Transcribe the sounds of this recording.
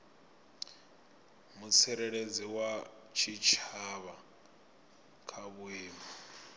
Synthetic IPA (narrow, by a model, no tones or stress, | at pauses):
musʰɛɾɛɺed͡ziwa | t͡ʃʰit͡ʃʰaβa | kʰaβuiːma